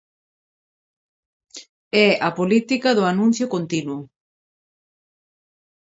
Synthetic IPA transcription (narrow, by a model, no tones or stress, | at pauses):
ɛapolit̪ikaðʊanũn̟θjʊkont̪inwʊ